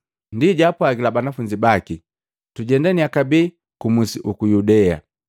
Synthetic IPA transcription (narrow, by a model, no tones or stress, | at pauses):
ndiɟapwaɡilabanafuɲd͡ʒibaki | tuɟɛndaniakabi | kumusiʔukujudɛa̰